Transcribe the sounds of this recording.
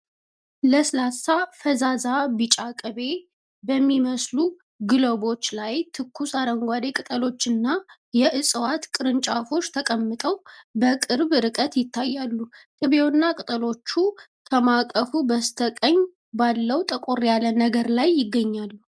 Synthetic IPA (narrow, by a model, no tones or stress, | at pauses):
ləslasafəzazabɨt͡ʃʼakʼɨβe̞ | bəmːiməslu | ɡɨləbo̞t͡ʃːlajt̪ʰɨkʰːusaɾəŋɡʷad̪e̞kʼɨt̪ʼəlo̞t͡ʃːɨnːa | jɛʔɨsʼwat̪kʼɨɾɨnt͡ʃʼafo̞t͡ʃːt̪ʰəkʼəmːɨt̪ʼəwbəkʼɨɾbɾɨkʼət̪jɪt̪ʰːajːalːukʼɨβewnːakʼɨt̪ʼəlo̞t͡ʃːu | kʰəmakʼəfubəst̪ʰəkʼəɲː | balːəwt̪ʼəkʼoɾjalənəɡəɾlajːɪɡːəɲːalːu